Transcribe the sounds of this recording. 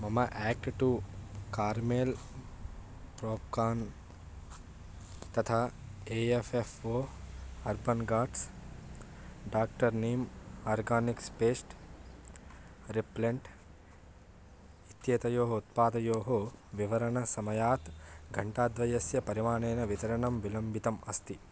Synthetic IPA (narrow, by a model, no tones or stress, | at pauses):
mɐmɐʔɛːk̚ʈʈukaːɾmeːl | pɾoːpkaːn | t̪ɐt̪ʰaːeːefefoːɐɾbɐnɡaːɖs | ɖaːk̚ʈɐɾneːmaːɾɡaːnikspeːsʈ | ɾipleɳʈ | it̪jeːt̪ɐjoːɦɐut̪paːd̪ɐjoːɦoʋiʋɐɾɐɳɐsɐmɐjaːt̪ɡʱɐɳʈaːd̪ʋɐjɐsjɐpɐɾimaːneːnɐʋit̪ɐɾɐɳɐmʋilɐmbʱit̪ɐmɐst̪i